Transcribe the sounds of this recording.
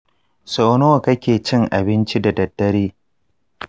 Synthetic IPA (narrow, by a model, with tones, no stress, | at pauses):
soː˨noː˦˨kɐ˦kʲeː˨t͡ʃɪ˦ŋʔa˨bɪ˦nt͡ʃi˦da˨dɐ˨dːɐ˦ɾiː˦